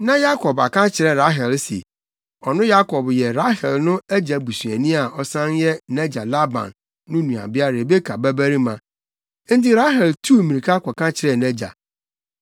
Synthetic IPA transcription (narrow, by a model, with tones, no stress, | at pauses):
nã˦ja˦kʰɔ˨ba̰˨kã˦t͡ɕʰɪ˨ɾɛ˨ɾa˦ɦɛ˨lsḭ˨ | ɔ˨nʊ̃˦ja˦kʰɔ˨bjɛ˨ɾa˦ɦɛ˨lnʊ̃˦æ˦d͡ʑa˨bu˨sɥæ˨nĩ˦a˨ɔ˨sã˦njɛ˦nɛ˦d͡ʑa˨la˦bã̰˨nː | ʊ̃˦nũ˨a̰˨bɪ˦a˦ɾe˨be˦kʰa˨bæ˦bæ˦ɾi˦mã˨ | n̩˦t̬ɪ˦ɾa˦ɦɛ˨ltʰu˦˨mĩ˨ɾi˨kʰa˦kʷɔ˨kã˦t͡ɕʰɪ˨ɾɛ˦˨nɛ˦d͡ʑa̰˨